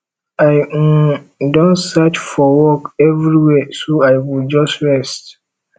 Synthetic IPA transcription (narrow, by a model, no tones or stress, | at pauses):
aɪ̃dɔ̃nsɛt͡ʃfɔwɔkɛvɹiwɛsoaɪwild͡ʒɔstɹɛst